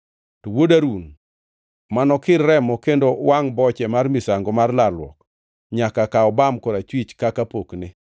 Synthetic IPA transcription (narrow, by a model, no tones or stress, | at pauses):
towodaɾun | manɔkɪrːɛmɔkendowaŋbɔt͡ʃɛmarmɪsaŋɡɔmarlalwɔ̰k | ɲakakaɔbamkɔɾat͡ʃwit͡ʃkakapoknɪ